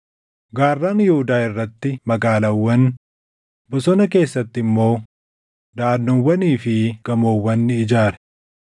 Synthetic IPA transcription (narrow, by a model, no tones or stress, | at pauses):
ɡaːrːaːnjɛhʊd̪aːɪrːɐt̪ːɪmɐɡaːlɐwːɐn | bʊsɔnɐke̞ːsːɐt̪ːɪɪmːo̞ː | d̪aːd̪nːɔwːɐniːfɪɡ̥ɐmoːwːɐnːɪɪd͡ʒaːɾɛ̥